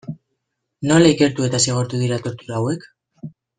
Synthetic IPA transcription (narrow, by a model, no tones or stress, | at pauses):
no̞laike̞ɾt̪ue̞t̪aseɣ̞o̞ɾt̪uðiɾat̪o̞ɾt̪uɾaːwe̞k